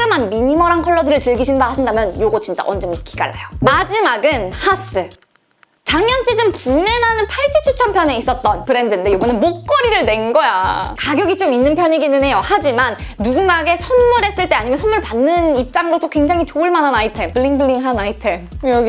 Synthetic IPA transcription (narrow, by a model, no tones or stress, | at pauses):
ɡɯmanmiɲimʌɾankʰʌɭːʌdiɾɯɭt͡ɕɯɭɡiɕʰindahaɕʰindamjʌnjoɡot͡ɕint͡ɕ͈a̰ʔʌnd͡ʑɯmik͈ʰi̥ɡa̰ɭːa̰jomad͡ʑimaɡɯnhas͈ɯ | t͡ɕaŋɲʌnɕʰid͡ʑɯmpune̞nanɯnpʰaɭt͡ɕ͈ʰit͡ɕʰut͡ɕʰʌnpʰjʌne̞is͈ʌt̚t͈ʌnpɯɾe̞ndɯnde̞joɡɯnɯnmok̚k͈ʌɾiɾɯɭne̞nɡʌjakaɡjʌɡit͡ɕominːɯnpʰjʌɲiɡinɯnɦe̞johad͡ʑimanːuɡuŋɡaɡe̞sʰʌnmuɾɦe̞s͈ɯɭt͈eaɲimjʌnsʰʌnmuɭpanːɯnip̚t͡ɕ͈amɯɾotʰokweŋd͡ʑaŋit͡ɕoɯɭmananaitʰe̞mpɯɭːiŋpɯɭːiŋɦanaitʰe̞m